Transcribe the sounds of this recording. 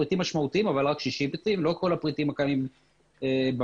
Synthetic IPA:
it̪imːaʃmaut̪iimavalʁakʃiʃipit̪imlo̞kʰo̞lapʁit̪imakaim | eb

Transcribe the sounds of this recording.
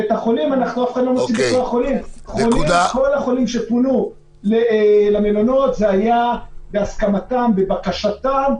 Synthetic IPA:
et̪aχo̞limanaχnuafχad̪lo̞not͡simbet̪olaχo̞limχo̞liko̞laχo̞limʃe̞punu | lelamelono̞t̪zeajabeaskamat̪ambe̞bakaʃat̪am

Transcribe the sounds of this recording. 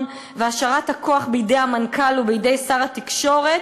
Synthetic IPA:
veaʃaʁathako̞aχbeidejamankʰalubeide̞jsaʁatikʃo̞ʁet

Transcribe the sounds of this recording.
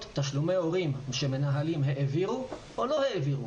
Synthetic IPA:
t̪tːaʃlume̞o̞ʁimʃeme̞naɦalimɦeʔeviʁu | olo̞heeviʁu

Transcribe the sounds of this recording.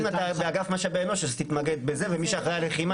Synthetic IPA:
mat̪abeaɡafmaʃabeemoʃezt̪it̪maɡed̪̚bezevemiʃeaχejaleχima

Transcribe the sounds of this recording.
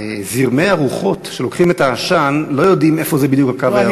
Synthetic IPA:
ziʁmejaʁuχo̞tʃe̞lo̞kχime̞taːʃanlo̞jo̞dime̞fo̞zebid̪jukakava

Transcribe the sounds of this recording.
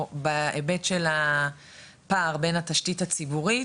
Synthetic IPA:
baʔebe̞tʃela | paːʁbe̞nhat̪aʃtitat͡sibuʁi

